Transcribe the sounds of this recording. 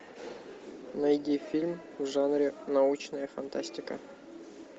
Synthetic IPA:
nɐjd̪ʲifʲilʲmvʐanɾʲɪnaut͡ɕnəjəfɐnt̪asʲt̪ʲɪkə̰

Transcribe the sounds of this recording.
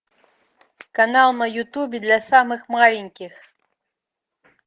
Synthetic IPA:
kanalˠnɐjut̪ubʲɛd̪lʲɐsamɨxmalʲenʲkʲix

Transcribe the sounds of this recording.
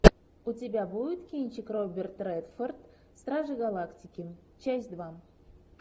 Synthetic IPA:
ʊtʲɪbʲabujɪt̪kʲinʲt͡ɕɪkrobʲɪrt̪ːrɛt̪fort̪ | st̪ɾaʐɨɡɐlˠaktʲɪkʲɪ | t͡ɕæsʲd̪va

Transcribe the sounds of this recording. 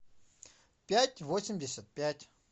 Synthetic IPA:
pʲætʲvosʲɪmʲdʲɪsʲət̪̚pʲætʲ

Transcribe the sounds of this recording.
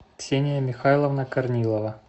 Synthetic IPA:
ksʲenʲɪjəmʲɪxajlˠəvnɐkɐrnʲilˠəvə

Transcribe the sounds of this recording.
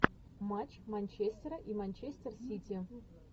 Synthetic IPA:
mat͡ɕmanʲt͡ɕesʲt̪ʲeraʔimanʲt͡ɕesʲt̪ʲersʲit̪ʲi

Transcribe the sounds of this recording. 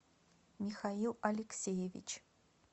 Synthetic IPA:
mʲixailˠɐlʲɪksʲejevʲḭt͡ʃʰ

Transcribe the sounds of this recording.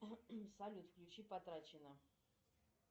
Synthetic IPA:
salʲut̪fklʲut͡ʃipɐt̪ɾat͡ʃʰɛnə

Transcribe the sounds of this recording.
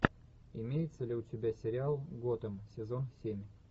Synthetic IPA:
ɪmʲejɪt̪səlʲɪʊtʲɪbʲasʲɪɾʲɪalˠɡot̪əmsʲɪzo̞nsʲemʲ

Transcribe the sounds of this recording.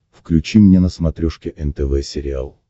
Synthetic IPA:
fklʲʉt͡ɕimnʲenəsmɐt̪ɾʲuʂkʲɪʔɛnt̪ɛvɛsʲɪɾʲɪa̰lˠ

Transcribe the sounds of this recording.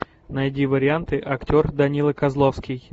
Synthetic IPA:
nɐɛdʲivəɾʲɪant̪ɨʔɐktʲo̞rd̪ɐnʲilˠəkɐzlˠofskʲɪj

